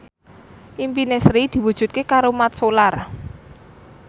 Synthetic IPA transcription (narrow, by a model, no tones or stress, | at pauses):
ʔimpinesɾid̪̥i̤wud̥ʒ̥ṳt̪̚kekaɾomat̪solar